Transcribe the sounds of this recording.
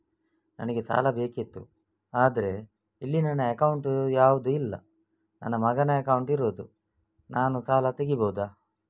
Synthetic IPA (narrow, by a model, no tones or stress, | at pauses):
nɐ̰nɐɡesa̰ːlɐbe̞ːkit̪ːṵ | aːd̪ɐɾe̞ | ilːinɐnːɐɐkɐwɳʈujaːʋud̪uilːɐ̰ | nɐ̰nːɐmɐɡɐnɐɐkɐwuɳʈiɾo̞ːd̪u | nʔaːnusaːlɐt̪eɡibowd̪aː